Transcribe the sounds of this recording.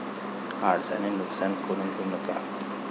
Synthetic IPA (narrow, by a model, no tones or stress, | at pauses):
aɽsa̰nenuksankoɽ̃ũːnɡʱeunəka̰